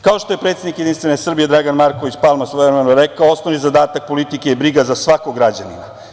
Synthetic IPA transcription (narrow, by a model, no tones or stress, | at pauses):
kao̞ʃt̪o̞je̞pɾet̪sed̪nikjed̪inst̪ʋe̞ne̞sr̩bije̞d̪ɾaɡanmaɾko̞ʋit͡ɕpalˠmasoeɾemenoɾe̞kaoosnonizad̪aːt̪ak̚po̞lit̪ikeibɾiɡazasʋako̞ɡɾad͡ʑanḭma̰